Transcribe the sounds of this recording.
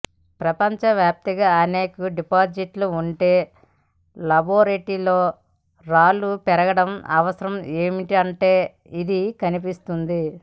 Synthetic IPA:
pɾɐpɐɲt͡ʃɐʋjaːp̚t̪iɡɐɐne̞ːkuɖipaːd͡ʒiʈluuɳʈe̞ː | lɐboːɾeʈilo̞ː | ɾaːlupɛɾɐɡɐɽɐmɐ̰ʋɐsɐɾɐmeːmiʈiɐɳʈe̞ː | id̪ikɐnipist̪und̪i

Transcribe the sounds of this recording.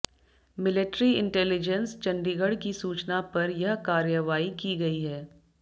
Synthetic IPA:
mɪlɪʈɾiɪ̰̃ɳʈɛːlɪd͡ʒənst͡ʃɐ̃ɳɖiɡəɽkisuːt͡ʃnapɐɾjɐɦkaːɾjəʋaːikiɡɐiɦɛː

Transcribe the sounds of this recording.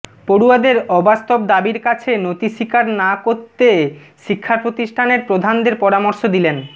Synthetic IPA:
poɾuad̪eɾɔbast̪obd̪abiɾkat͡ɕʰenot̪iʃikaɾnakoɾt̪e | ʃikʰːapɾot̪iʃʈʰaneɾpɾod̪ʱand̪eɾpɔɾamoɾʃod̪ilen

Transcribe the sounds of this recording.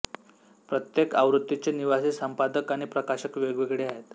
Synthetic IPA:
pɾət̪jekaʋɾut̪ːit͡ɕeniʋasisəmpad̪əkaɽ̃ipɾəkaɕəkʋeɡʋeɡɭeaɦet̪

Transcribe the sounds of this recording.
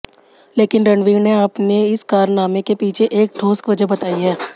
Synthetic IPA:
leːkɪnɾɐɳɖʋiːneaːpneɪskaːɾnaːmekepiːt͡ʃʰeʔeːk̚ʈʰoːskʋɐd͡ʒəɦbɐt̪aːiɦɛː

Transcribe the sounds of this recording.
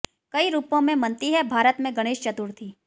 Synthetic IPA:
kɐiɾuːpõmẽmɐ̃nt̪iɦɛbʱaːɾət̪mẽɡɐɽ̃eːʃt͡ʃɐt̪uɾt̪ʰiː

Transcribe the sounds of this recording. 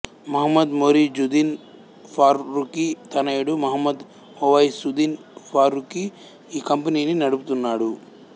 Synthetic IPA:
mɐɦɐmːɐd̪moːɾid͡ʒud̪in | pʰaːɾːukit̪ɐnɐjɽumɐɦɐmːɐd̪ | oʋɐjsud̪in | pʰaːɾuki | iːkɐmpɐniːninɐɽuput̪unːaːɽu

